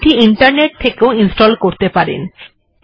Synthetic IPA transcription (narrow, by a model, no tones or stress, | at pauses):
ʈiiɳʈaɾneʈ̚t̪ʰːekeoinsʈɔlkoɾt̪epaɾḛn